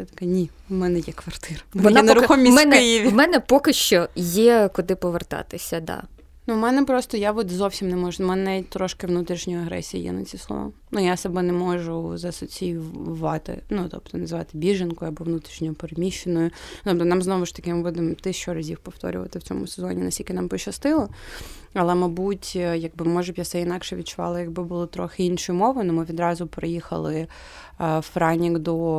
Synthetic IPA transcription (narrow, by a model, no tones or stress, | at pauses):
ɛt̪ɐ̥kɛnʲi | mɛnɛjɛkʋɐrt̪ɪɾɐmnnɛnɐɾʊxɔmʲimɛnɛɪjiʋʲimɛnɛpɔkɪʃt͡ʃɔjɛkʊd̪ɪpɔʋert̪ɑ̰t̪ɪsʲɐd̪ɑ̰ | numɛnɛpɾɔst̪ɔjaʋɔt̪zɔwsʲimnɛmɔʒʊmɛnɛnɛt̚ʲt̪ɾɔʃkɪʋnut̪ɾʲiʃnʲɔjɐɦɾɛ̰sʲijḭjɛ̰nɐ̰t͡sʲsʲislˠɔ̰ʋa̰m | nujasɐbɛnɛmɔʒʊzɐsʊt͡sʲijʊʋɑt̪ɪ̰nut̪ɔ̰pt̪ɔnɐzʋɑt̪ɪbʲiʒenkʊɐbɔʋnut̪ɾʲiʃnʲɔjʊpeɾemʲiʃenɔjʊt̪ɔp̚t̪ɔnɑmznɔʋʊʃt̪ɐ̥kɪmɪbud̪ɪmt̪ɪʃt͡ʃɔɾɐzʲifpɔft̪ɔ̰ɾʲʊ̰ʋɐ̰t̪ɪw̥t͡sʲɔ̰mʊsezɔnʲinɐsʲtʲilʲkɪnɑmpɔt͡ʃɐst̪ɪlˠɐɐlˠɛmɐbutʲjɐɡ̚bɪmɔʒʊbʲjasɛɪnɑkʃɛʋʲid̪̚t͡ʃʊʋɑ̰lˠɐjɐɡ̚bɪbʊlˠɪt̪ɾɔxɪinʃɔjʊmɔʋʊnʊmɪʋʲid̪ɾɑzʊpɾɪjixɐ̰lˠɪ | fɾanʲiɡd̪ɔ